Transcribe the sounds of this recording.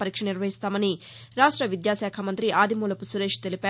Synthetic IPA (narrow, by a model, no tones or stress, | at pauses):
pɐɾiːkʂɐniɾʋɐɦist̪aːmɐni | ɾaːʂʈɾɐʋid̪jaːʃaːkʰamɐnt̪ɾiʔaːd̪ʱimuːlɐpusuɾeːʂt̪e̞lipæː